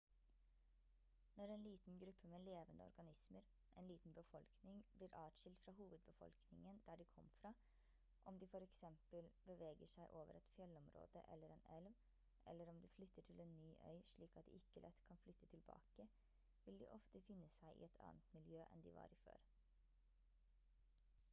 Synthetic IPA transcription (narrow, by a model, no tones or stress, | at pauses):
nɔɾɛnliːt̪n̩ɡɾʉpʰːəmeːleːʋənd̪əɔ̰ɾɡɑnɪsməɾ | ʔɛnliːt̪n̩bəfɔlknɪŋbliːɾʔɑːʂɪlt̪fɾɑhuːʋəd̪̚bəfɔ̰lknɪŋənd̪̥æːɖikʰɔmːfɾɑː | ʔɔmd̪iːfɔɾɛksɛmpəlbəʋeːɡəʂæɪʔoːʋə̰ɾɛt̪fjɛlːɔmɾo̰ːd̪ə̰ʔɛ̰lːəɾɛnɛlʋ | ʔɛ̰lːəɾɔmd̪ɪflʏt̪ːəʈʰɪleːnːyːʔœ̰ʏʂɭiːkɑt̪̚d̪ɪ̰ʔɪkːəlɛt̪kʰɑnflʏt̪ːʰət̪ʰɪlbɑ̰ːkə | ʋɪld̪ɪ̰ʔɔft̪əfɪnːəsæɪʔɪ̰ɛt̪ʰɑ̰ːnət̪mɪljøːʔɛ̰nd̪ḭʋɑ̰ːɾɪfø̰ːɾ